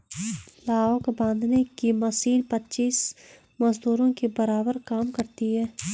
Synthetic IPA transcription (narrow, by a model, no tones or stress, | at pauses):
laːokbãːnd̪ʱnekimɐsiːnpɐtːʃiːs | mɐzd̪uːɾõkebɐɾaːbəɾkaːmkɐɾt̪iɦɛː